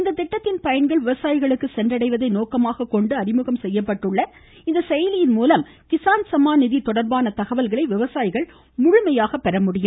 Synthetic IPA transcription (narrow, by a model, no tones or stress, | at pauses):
ɪnd̪ɐt̪ːɪʈːɐt̪ːɪnpɐjɐɳɡɐɭʋɪʋɐsaːjɪɣɐɭɯkːɯsɛndrɐɽɐɪʋɐðɐɪnoːkɐmaːɣɐkːɔɳɖɯɐrɪmɯɣɐmsɛjːɐpːɐʈːɯɭːɐ | ɪnd̪ɐsɛjɐlɪjɪnmuːlɐm | kɪsaːnsɐmaːnɪðit̪ɔɽɐɾbaːnɐt̪ɐɣɐʋɐlɣɐɭɐɪʋɪʋɐsaːjɪɣɐɭ | mʊɻʊmɐjaːɣɐpːɛɾɐmʊɽɪjɯm